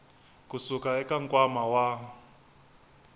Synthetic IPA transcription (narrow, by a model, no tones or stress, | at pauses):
kusukaɛkaŋkʼwamawa